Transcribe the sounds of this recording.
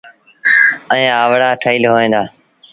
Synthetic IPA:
ə̃ẽːaːʋɽaːʈʰəiːlɦoːẽːd̪aː

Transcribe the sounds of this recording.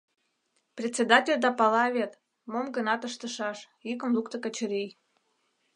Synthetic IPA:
prʲet͡sʲːed̪ɑtʲelʲd̪ɑpɑlɑβʲet̪ | momɡənɑt̪əʃt̪əʃɑʃ | ikə̆mlˠukt̪əkə̆t͡ɕəɾij

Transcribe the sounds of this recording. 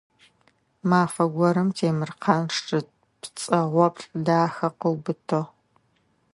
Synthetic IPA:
maːfɐɡʷɔɾɨmtʰeːmɨrqʰɐnʂʈ͡ʂʼɨ | pt͡sʼɐʁʷɔpɬʼdaːxɐqəwbɨtʰoʁ

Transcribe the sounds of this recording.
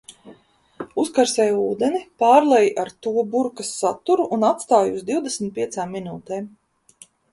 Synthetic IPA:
uskaɾsɛːjuːd̪ɛnipaːɾlˠɛjʔaɾt̪uɔbuɾkasːat̪uɾuʔunat̪st̪aːjuzd̪iwd̪esmit̪̚pʲiɛsaːmːinuːt̪ɛːm

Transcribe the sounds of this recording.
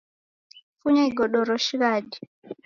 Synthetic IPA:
fuɲaiɡɔɗɔɾɔʃikaɗi

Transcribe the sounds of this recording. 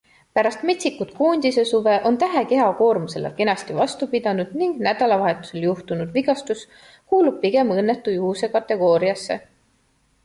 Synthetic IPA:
pæɾɑst̪me̞t̪sikut̪kuːnʲd̪̥ise̞suve̞ʔo̞nt̪æɦe̞ke̞ɑko̞ːrmuse̞lɑ̰ke̞nɑst̪ivɑst̪upid̪̥ɑnud̪̥niŋɡnæd̪̥ɑlɑvɑɦe̞t̪ːˑu̥se̞ljuht̪unud̪viɡ̥ɑst̪us | kuːlub̚piɡ̥e̞mɤnːe̞t̪ːˑujuɦusekɑt̪ːˑe̞ɡ̥o̞ːɾiɑsːe̞̰

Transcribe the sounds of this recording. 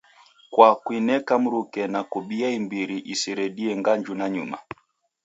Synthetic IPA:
kwakwinɛkam̩ɾukɛnakuɓiaimbiɾiʔisiɾɛɗiɛŋɡaɲd͡ʒunaɲṵma̰

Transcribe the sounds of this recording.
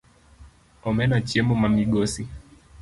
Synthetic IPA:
ɔmɛnat͡ʃiɛmumamiɡɔsi

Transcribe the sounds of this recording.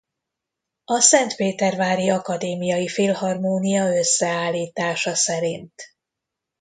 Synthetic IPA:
ɒsɛnt̪peːt̪ɛrvaːɾiɒkɒd̪eːmijɒjifiːlhɒrmoːnijɒø̞sːɛaːlːiːt̪aːʃɒsɛɾint̪

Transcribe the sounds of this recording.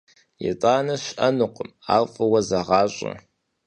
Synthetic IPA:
jɛ̰tʼaːnɐɕʔɐnɨqʷəma̰ːlfʼɐwɐzɐʁɑːɕʼɐ̰

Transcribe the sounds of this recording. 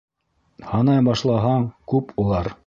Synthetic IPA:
hɑnɑjbɑʃlˠɑɦɑɴkʉpulˠɑɾ

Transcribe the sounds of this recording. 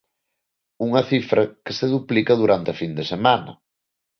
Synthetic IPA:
uŋɐθifɾɐke̥seðuplikɐðuɾant̪ɪɐfind̪esemanɐ̰

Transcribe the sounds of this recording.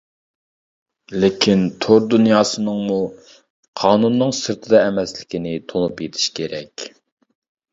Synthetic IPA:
lɪkʲʰint̪ʰoɾd̪unjɑːsɨnɨŋmu | qʰɑːnunːɨŋsɨɾt̪ʰɨd̪ɑɛmɛslɪkʲinɪt̪ʰolˠupjet̪ʰi̥ʃkʲʰeɾɛkʲ

